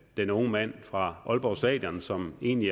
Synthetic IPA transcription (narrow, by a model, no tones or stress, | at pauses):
d̥enɔ̽ŋəmæn̰fʁɑ̈ʔɒ̽lb̥ɒʊsd̥ɛ̰ːd̥jɒnsɒ̽me̝̰ːnli